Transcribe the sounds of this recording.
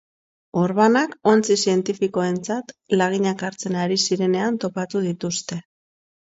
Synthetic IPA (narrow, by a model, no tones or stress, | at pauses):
o̞ɾβanako̞nt͡sisie̞nt̪ifiko̞e̞nt͡sat̪laɣ̞iɲakaɾt͡se̞naɾisiɾe̞ne̞ant̪o̞pat̪uð̞it̪ust̪e̞